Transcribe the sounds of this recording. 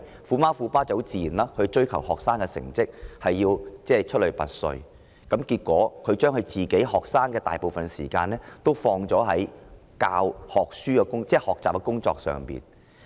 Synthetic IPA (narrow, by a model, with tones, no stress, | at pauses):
fuː˨˧maː˥fuː˧paː˥t͡sɐ˨˥wt͡siː˨ji˨˩nlaː˥kʰɵ˨˧t͡ʃɵ˥ɥkʰɐ˨˩wɦɔː˨k̚saː˥ŋkɛ˧sɪ̰˨˩ŋt͡sɪ˥k̚hɐ˨jːiː˧wt͡sɛː˥˩t͡ʃʰɵ˥lɵ˨˩ɥpɐ̰˨t̚sɵ̰˨ɥ | kɐ˨˥mkiː˧t̚kʷɔː˨˥kʰɵ˨˧ɥt͡ʃœː˥ŋhɵ˧ɥt͡siː˨˩ke˨˥jɦɔː˨k̚saː˥ŋkɛː˧t̪a̰ː˨jpo˨wfɐ˨nsḭː˨˩kaː˧nlɛː˥t̪o˥wfɔː˧ŋt͡sɔː˨˥ɦɐ˨˥j | kaː˧whɔː˨k̚syː˥kɛ˧kʊ˥ŋt͡sɛː˥˩hɔː˨k̚t͡saː˨p̚kɛ˧kʊ˥ŋt͡sɔ̰ː˧k̚sœ̰ː˨˩ŋpḭː˨n